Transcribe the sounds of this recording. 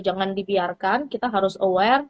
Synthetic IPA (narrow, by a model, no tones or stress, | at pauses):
d͡ʒaŋandibiarkankit̪aɦaɾʊsowɛr